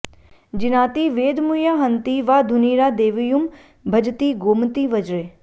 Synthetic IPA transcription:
d͡ʒɪnaːt̪iʋeːd̪mujaːɦɐ̃nt̪iʋaːd̪ʱʊniːɾaːd̪eːʋjum | bʱɐd͡ʒt̪iːɡoːmt̪iʋɐd͡ʒɾeː

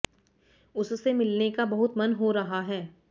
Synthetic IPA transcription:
ʊssemɪlnekabɐɦʊt̪mɐnɦoɾɐɦaɦɛː

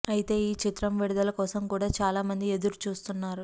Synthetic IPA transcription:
ɐjit̪e̞ːiːt͡ʃit̪ɾɐmʋiɽud̪ɐlɐkɔːsɐmkuːɽaːt͡ʃaːlaːmɐnd̪ie̞d̪uɾut͡ʃuːst̪unːaːɾu

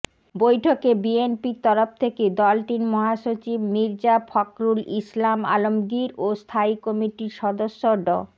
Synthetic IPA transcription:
bojʈʰokebienpiɾt̪ɔɾoft̪ʰeked̪ɔlʈinmɔɦaʃot͡ɕibmiɾd͡ʑapʰɔkɾulislama̰lomɡiɾost̪ʰaikɔmiʈiɾʃɔd̪oʃːoɖɔ̰

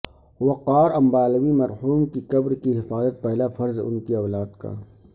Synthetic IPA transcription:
wɐqaːɾɐmbaːlwimɐɾhuːmkikɐbɾkiɦɪfaːzət̪̚pɛɦlafɐɾzʊ̰nkiɐʋlaːd̪ka̰ː

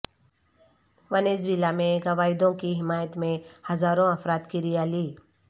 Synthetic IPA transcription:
ʋɐneːzʋilamẽɡɐʋaːɪd̪õkiɦɪmaːjət̪mẽhɐzaːɾõɐfɾaːt̪kiɾijaːliː

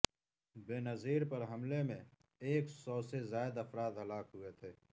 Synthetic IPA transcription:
beːnɐziːɾpɐɾɦɐmlemẽ | eːksɔːsezaːɪd̪ɐfɾaːd̪ɦɐlaːkɦʊet̪ʰeː

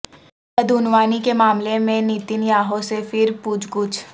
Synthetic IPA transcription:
ɐd̪ʊnʋaːnikemaːmlemẽniːt̪ɪnjaːɦosefɪɾpuːd͡ʒɡʊt͡ʃ

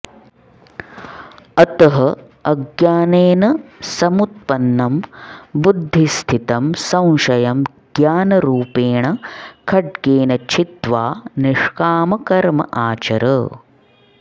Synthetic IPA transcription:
ɐt̪ɐɦɐ | ɐɡjaːneːnɐsɐmut̪̚pɐnːɐmbud̪ʱːist̪ʰit̪ɐmsɐ̃w̃ʃɐjɐm | ɡjaːnɐɾuːpeːɳɐkʰɐɖ̚keːnɐt͡ʃʰit̪ʋaːniʂkaːmɐkɐɾmɐ̰ʔaːt͡ʃɐɾɐ

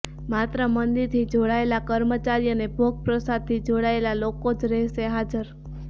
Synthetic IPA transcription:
mat̪ɾəmənd̪iɾt̪ʰid͡ʒoɽaelakəɾmət͡ʃaɾijənebʱoɡ̚pɾəsad̪̚t̪ʰid͡ʒoɽaelalokod͡ʒɾɛɦʃeɦad͡ʒəɾ

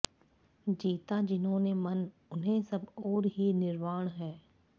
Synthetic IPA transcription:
d͡ʒiːt̪ad͡ʒɪnɦõnemɐn | ʊnɦẽsɐbɔːɾɦinɪɾmaːɽ̃ɦɛː

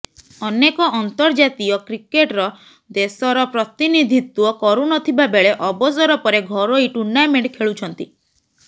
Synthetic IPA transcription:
ɔnekɔʔɔnt̪ɔɾd͡ʒat̪ijɔkɾikeʈɾɔ | d̪esɔɾɔpɾɔt̪inid̪ʱit̪wɔkɔɾunɔt̪ʰibabeɭeʔɔbɔsɔɾɔpɔɾeɡʱɔɾoiʈuɾnameɳʈkʰeɭut͡ʃʰɔnt̪i

